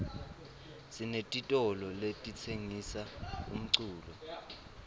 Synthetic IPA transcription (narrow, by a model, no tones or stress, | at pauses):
sinetʼitʼɔlɔletʼit͡sʰeŋisaum̩ǀuːlɔ